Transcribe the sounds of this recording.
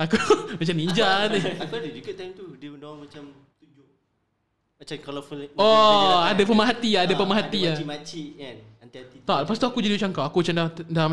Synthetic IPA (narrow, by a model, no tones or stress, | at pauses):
akumat͡ʃamnid͡ʒaʔnɪakudəd͡ʒuɡat̪ajmt̪udədamat͡ʃam | t̪ud͡ʒʊʔ | mat͡ʃamkalofəlɔadapəmaɦat̪iaadapəmaɦat̪iaimat͡ʃian | ant̪iat̪it̪ɔʔpast̪uakud͡ʒadimat͡ʃaŋkawakumat͡ʃamdadam